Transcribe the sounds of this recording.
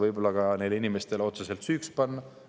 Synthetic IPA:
vɤjbo̞lːɑkɑne̞jlinime̞st̪e̞leo̞t̪sese̞lt̪syːkspɑnːɑ

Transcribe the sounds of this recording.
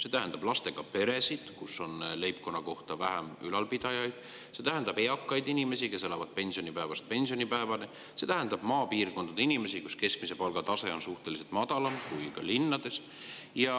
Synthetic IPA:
se̞t̪æɦend̪̥ɑb̥lɑst̪e̞ɡ̥ɑpe̞ɾe̞sid̪̥kusːo̞nle̞jp̚ko̞nːɑko̞ht̪ɑvæɦæmylɑlpid̪̥ɑjɑjd̪̥ | se̞ːt̪æɦend̪̥ɑb̥e̞ɑkːˑɑjd̪inime̞sike̞se̞lɑvɑd̪̥pe̞nsio̞nipæevɑst̪̚pe̞nʲsio̞nipæevɑne | se̞t̪æɦend̪̥ɑb̥mɑːpiːrko̞nd̪ɑd̪einime̞sikuske̞sk̚mise̞pɑlɡ̥ɑt̪ɑse̞o̞nsuht̪e̞lise̞lt̪mɑd̪ɑlɑmkujkɑ̰linːɑd̪e̞s | jɑ

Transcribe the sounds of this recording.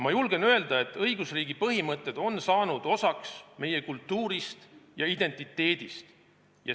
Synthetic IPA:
mɑjulɡ̥e̞nøe̞ld̪ɑe̞t̪ːˑɤjɡ̥usriːɡ̥ipɤɦimɤt̪ːˑe̞d̪̥o̞nsɑːnud̪̥o̞sɑksme̞je̞kult̪ːuːɾist̪jɑid̪̥e̞nt̪ːˑit̪ːe̞ːd̪̥ist̪ | jɑ

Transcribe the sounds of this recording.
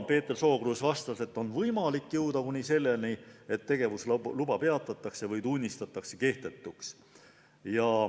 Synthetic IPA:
pe̞ːt̪ːˑerso̞ːɡ̥ruːsvɑst̪ɑse̞t̪ːˑo̞nvɤjmɑlikːjɨwd̪ɑkunʲise̞lːelnie̞t̪ːe̞ɡ̥e̞vusllubɑpe̞ɑt̪ːˑɑt̪ːˑɑkse̞vɤjt̪unʲːist̪ɑt̪ːˑɑkse̞ke̞ht̪e̞t̪ˑːuks | jɑ

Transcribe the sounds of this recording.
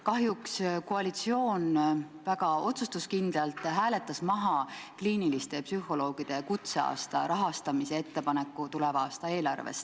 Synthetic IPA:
kɑɦjukskoɑlit̪sio̞ːnvæɡ̥ɑo̞t̪sust̪uskind̪̥lɑlt̪ˑɦæːle̞t̪ˑːɑsmɑɦɑkliːnilist̪e̞psyɦo̞lo̞ːɡ̥id̪̥e̞kut̪se̞ɑ̰ːst̪ɑ̰ɾɑɦɑst̪ɑmise̞e̞t̪ːe̞pɑnekˑːut̪ulɛvɑɑːst̪ɑe̞ːlɑ̰rvḛst̪

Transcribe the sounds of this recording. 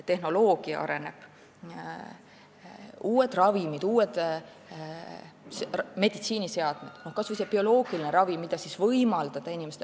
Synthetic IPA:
t̪ːe̞hno̞lo̞ːɡ̥iɑ̰ʔɑ̰ɾe̞ne̞b̥ | uːed̪̥rɑvimid̪̥uːwed̪̥ | me̞d̪it̪siːnise̞ɑd̪̥me̞d̪̥no̞hkɑsvujsepio̞lo̞ːɡ̥ilineɾɑvimːid̪̥ɑsisvɤjmɑld̪ɑd̪̥ɑinimest̪e

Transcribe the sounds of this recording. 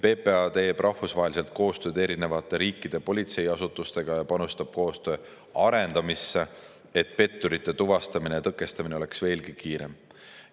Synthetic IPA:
pe̞ːpe̞ɑt̪e̞ːbrʔɑhfusvɑɦelise̞lt̪̚ko̞ːst̪ø̞ːd̪̥e̞ɾine̞vɑt̪ːˑe̞ɾiːkːid̪̥e̞po̞lʲit̪se̞jɑsut̪ːˑust̪e̞ɡ̥ɑjɑpɑnust̪ɑb̥̚ko̞ːst̪ø̞ː | ɑɾe̞nd̪ɑmisːe | et̪pe̞t̪ːuɾit̪ːˑe̞t̪uvɑst̪ɑmine̞jɑt̪ɤkːˑe̞st̪ɑmine̞o̞leksve̞ːlɡikiːɾem

